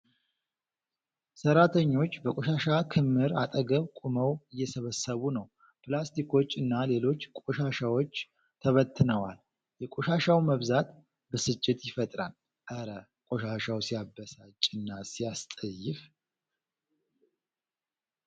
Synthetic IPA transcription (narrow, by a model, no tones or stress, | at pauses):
səɾat̪ʰəɲːo̞t͡ʃːbəkʼoʃaʃakʰɨmːɨɾat̪ʼəɡəβkʼuməwɨjːɛsəβəsəβunəw | pʰɨlast̪ʰikʰo̞t͡ʃːɨnːale̞lo̞t͡ʃːkʼoʃaʃawo̞t͡ʃː | t̪ʰəβət̪ʰːɨnəwal | jɛkʼoʃaʃawməβzat̪ | bəsɨt͡ʃʼːɪt̪jɪfət̪ʼɾal | ʔəɾə | kʼoʃaʃawsijabːəsat͡ʃʼɪnːasijast̪ʼəjːɪf